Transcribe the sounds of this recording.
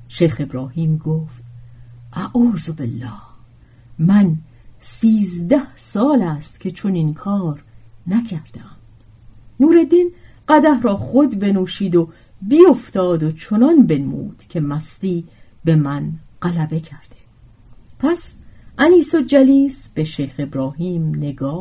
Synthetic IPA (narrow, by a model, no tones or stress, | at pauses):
ʃejxe̞bɾɒːhiːmɡoːft̪̚ʔæʔuːzobelːɒːh | mæn | siːzd̪æhsɒːlæːst̪cʲʰe̞t͡ʃʰoninkʰɒːɾnæcʰæɾd̪̥eæm | nuːɾe̞d̪in | ɢæd̪æhɾɒːχod̪be̞nuːʃiːd̪o | bijoft̪ɒːd̪ot͡ʃʰonɒnbe̞nmṵːd̪̥cʰemæst̪iːbe̞mænɢ̥ælæbe̞cʰæɾd̪̥e̥ | pʰæsʔæniːsod͡ʒæliːsb̥eʃejxe̞bɾɒːɦiːmne̞ɡɒː